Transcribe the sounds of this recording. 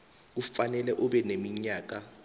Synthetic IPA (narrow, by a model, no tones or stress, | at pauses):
k̬ufanɛlɛʔuɓɛnemiɲaːk̬a